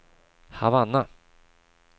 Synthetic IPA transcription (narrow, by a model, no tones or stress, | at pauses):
havanːa